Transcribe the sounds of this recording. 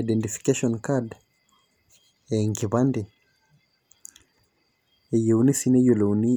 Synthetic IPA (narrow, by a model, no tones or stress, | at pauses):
aɗɛntifi̥kaʃɔnkad | ɛŋɡiβandɛ | ɛjeunisinɛjolouni